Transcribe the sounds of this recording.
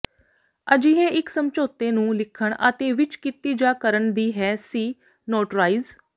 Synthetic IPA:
əd͡ʒiːɦeːʔɪksəmt͡ʃoːt̪eːnũːlɪkʰəɳə̰t̪eːʋɪt͡ʃkit̪iːd͡ʒaːkəɾəɳd̪iːɦɛːsiː | noːʈɾaːiːz

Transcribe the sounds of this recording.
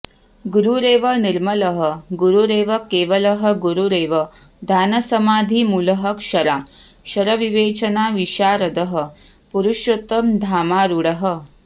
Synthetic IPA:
ɡuɾuɾeːʋɐniɾmɐlɐɦɐ̆ɡuɾuɾeːʋɐkeːʋɐlɐɦɐ̆ɡuɾuɾeːʋɐ | d̪ʱaːnɐsɐmaːd̪ʱimulɐɦɐkʂɐɾaː | ʃɐɾɐʋiʋeːt͡ʃɐnaːʋiʃaːɾɐd̪ɐɦɐ̆ | puɾuʃjot̪ɐmd̪ʱaːmaːɾuɽɐɦə

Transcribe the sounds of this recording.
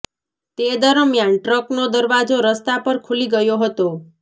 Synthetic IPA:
t̪ed̪əɾəmjanʈɾəknod̪əɾʋad͡ʒoɾəst̪apəɾkʰuliɡəjoɦət̪o

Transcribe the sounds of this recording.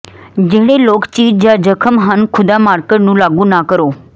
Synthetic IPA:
d͡ʒeɦɽ̃eloːkt͡ɕiːd͡ʑad͡ʒəkʰəmɦənkʰʊd̪amaɾkeʈnũlaɡũnakəɾoː

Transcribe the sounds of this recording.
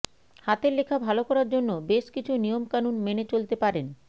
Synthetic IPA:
hat̪eɾlekʰabʱalokɔɾaɾd͡ʑonːobeʃkit͡ɕʰunijomkanunmenet͡ɕolt̪epaɾen

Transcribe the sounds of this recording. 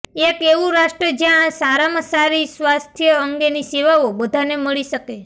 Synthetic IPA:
ekeʋũɾaʃʈɾəd͡ʒjãsaɾamasaɾisʋast̪ʰjəəŋɡeniseʋaobəd̪ʱaneməɭiʃəke

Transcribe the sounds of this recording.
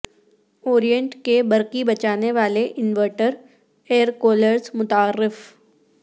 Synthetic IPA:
oːɾijə̃ɳʈkebɐɾkibɐt͡ʃaːneʋaːleʔɪnʋəɾʈəɾ | eːəɾkoːləɾzmʊt̪aːɾːɪf

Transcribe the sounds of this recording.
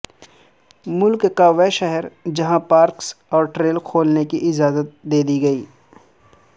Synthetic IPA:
mʊlkkaːʋɛʃɛɦɛɾd͡ʒɐɦãpaːɾksɔːɾʈɾeːlkʰoːlnekiʔɪd͡ʒaːzət̪̚d̪eːd̪iɡɐiː

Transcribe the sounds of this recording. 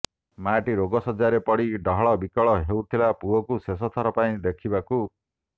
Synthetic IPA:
maʈiɾoɡɔsɔd͡ʒaɾepɔɽiɖɔɦɔɭɔbikɔɭɔɦewt̪ʰilapuɔkusesɔt̪ʰɔɾɔpaĩd̪ekʰibaku

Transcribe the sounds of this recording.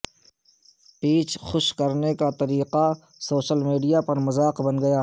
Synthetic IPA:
piːt͡ʃxʊʃkɐɾnekat̪ɐɾiːqa | soːʃəlmiːɖijapɐɾmɐzaːqbɐnɡɐjaː

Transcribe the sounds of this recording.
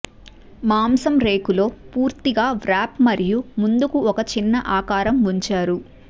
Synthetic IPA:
maːmsɐmɾe̞ːkulo̞ːpuːɾt̪iɡaːʋɾaːpmɐɾijumund̪ukuɔkɐt͡ʃinːɐʔaːkaːɾɐmuɲt͡ʃaːɾu

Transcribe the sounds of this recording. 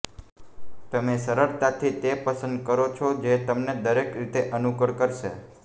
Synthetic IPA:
t̪əmesəɾəɾt̪at̪ʰit̪epəsənd̪̚kəɾot͡ʃʰod͡ʒet̪əmned̪əɾekɾit̪eʔənuɡəɽkəɾʃe

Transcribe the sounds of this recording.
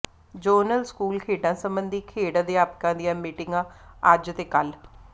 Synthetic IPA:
d͡ʒəːnəlskuːlkʰeːɖãːsəmbənd̪iːkʰeːɽãːd̪eːaːpkãːd̪ɪjãːmiːʈɪŋɡãːəd͡ʒt̪eːkəl

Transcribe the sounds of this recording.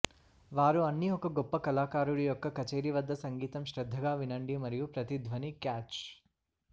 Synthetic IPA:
ʋaːɾuɐnːiɔkɐɡɔpːɐkɐlaːkaːɾuɽijɔkːɐkɐt͡ʃeːɾiʋɐd̪ːɐsɐŋɡiːt̪ɐmʃɾɐd̪ʱːɐɡaːʋinɐɳɖimɐɾijupɾɐt̪id̪ʱʋɐnikaːt͡ʃ

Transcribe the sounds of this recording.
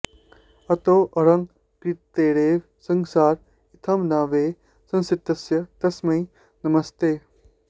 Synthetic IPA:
ɐt̪oːʔɐɾɐŋ | kɾit̪ːeːɾeːʋ | sɐŋsaːɾ | it̪ʰɐmnaːʋeː | sɐ̃nsɪt̪ːɐsjɐt̪ɐsmɐi | nɐmɐst̪eː

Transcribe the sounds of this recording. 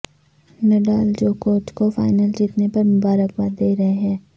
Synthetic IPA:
nɐɖaːld͡ʒoːkoːt͡ʃkofa̰ːɪnəld͡ʒiːt̪nepɐɾmʊbaːɾəkbaːd̪eːɾɐɦeɦɛ̃ː

